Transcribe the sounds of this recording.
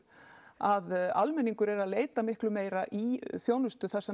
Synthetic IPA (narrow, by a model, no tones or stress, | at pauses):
aðalmɛnːiŋkʏɾɛɾaðleːjt̪amɪhklʏmeːjɾaʔiθjoːwnʏst̪ʏθɛsːa